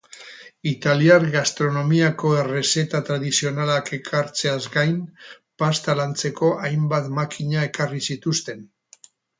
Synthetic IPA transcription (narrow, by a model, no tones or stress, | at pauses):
it̪aliaɾɣast̪ɾo̞no̞miako̞ere̞se̞t̪at̪ɾaðisio̞nalake̞kʰaɾt͡se̞azɡajm | past̪alant͡se̞ko̞ʔajmbat̪makiɲae̞karisit̪ust̪e̞n